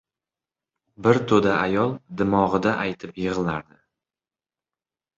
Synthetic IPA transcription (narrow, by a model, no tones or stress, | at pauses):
bɪɾt̪ʰod̪aʔajɒlˠd̪ɪmɒʁɨd̪aʔajt̪ʰɪpjɨʁɨlˠaɾd̪ɪ